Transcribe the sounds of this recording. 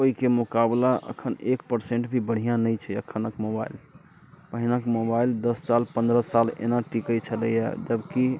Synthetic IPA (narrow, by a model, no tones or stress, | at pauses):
oikemukablaʔə̰kʰənekpəɾseɳʈbʱibəɽ̤ijãnəjt͡ʃʰɛəkʰənəkmoba̰il | pəɦinakmobaild̪əsːalpə̃nd̪ɾəsalḛnaʈikət͡ʃʰələja̰d͡ʒəbki